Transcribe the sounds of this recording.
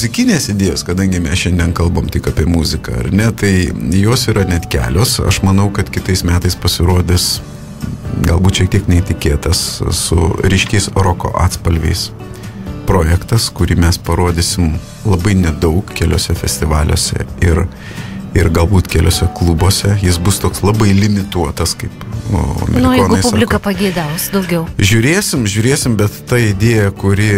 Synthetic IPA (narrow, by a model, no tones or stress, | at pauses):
mʊzʲɪkʲɪnʲeːsɪd̪ʲeːjoːskɐd̪ɐŋʲɡʲɪmʲɛsʃʲɛnʲd̪ʲiɛnkɐlˠboːmt̪ʲɪkɑːpʲiɛmuzʲɪkɐ̰ɐ̰ɾnʲɛt̪ɐɪjoːsiːɾɐnʲɛt̪kʲæ̰ːlʲoːsɐ̰ʃmɐnɐʊkɐt̪kʲɪt̪ɐɪsmʲæːt̪ɐɪspɐsʲɪɾuːd̪ʲɪs | ɡɐlˠbuːt̪ʃʲiɛk̚t̪iɛknʲɛt̪ʲɪkʲeːt̪ɐssʊ̰ɾʲiːʃʲkʲɛɪsɾoːko̰ːʔɑ̰ːt̪spɐlʲʋʲḛɪs | pɾoːjɛkt̪ɐskʊɾʲiːmʲɛspɐɾoːd̪ʲɪsʲɪm | lˠɐbɐɪnʲɛd̪ɐʊkkʲɛlʲo̰ːsʲɛfʲɛsʲt̪ʲɪʋɑːlʲo̰ːsʲɛ̰ɪr | ɪɾɡɐlˠbuːt̪kʲɛlʲoːsʲɛklˠuboːsʲɛjɪsbʊst̪oːkslˠɑbɐɪlʲɪmʲɪt̪uɔt̪ɐskɐɪpːo̰mʲɛnʊjoːnɡʊɐɪsʊbllʲɪkɐpɐɡʲɛɪd̪ɐʊsd̪ɐʊɡʲɛʊʒʲʊɾʲeːsʲɪmʒʲʊːɾʲeːsʲɪmbʲɛt̪ːɐɪd̪ʲeːjɛkʊɾʲɪ